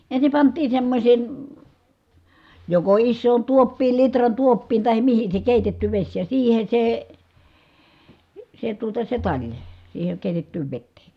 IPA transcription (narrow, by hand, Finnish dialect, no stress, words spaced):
ensim pɑntˑiːn̞ semːosʲeˑn̞ joko isːoːn tuopːiːl litrɑn tuopːiːn tɑhem mihin se keˑitetːy ʋesʲ jɑ siːhe se se tuotɑ se tɑlʲ siːheŋ keˑitetːyːʋ ʋetːeː